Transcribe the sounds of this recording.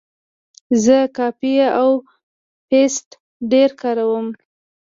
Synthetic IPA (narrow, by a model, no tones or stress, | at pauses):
zəkɑpijaw | pest | ɖeɾkɑɾawəm